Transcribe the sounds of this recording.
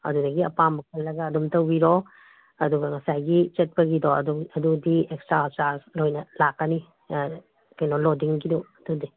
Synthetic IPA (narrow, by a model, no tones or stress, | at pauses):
ɐ̰dudɐɡiɐpamɐk̚ʰɐlːɐɡɐːdumtɐwbiɾo | ɐduɡɐŋɐsajɡit͡ʃɐt̚pɐɡidoɐdudiekstɾat͡ʃaɾslojnɐlakːɐni | kɐjnolodiŋɡidoɐdudi